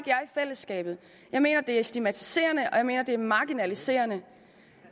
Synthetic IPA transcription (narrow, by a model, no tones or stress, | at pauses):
ɡ̥jɑ̈ifel̰əsɡ̥ɛ̰ːb̥ð̞̩ˠ | jɑ̈ɪme̝̰ːnɐd̥e̝æɐsd̥imæt͡sʰi̥se̝̰ːɐnəʔɒ̽jɑ̈ɪme̝ːnɐd̥e̝æɐmɑ̈ɡ̥inælise̝̰ːɐnə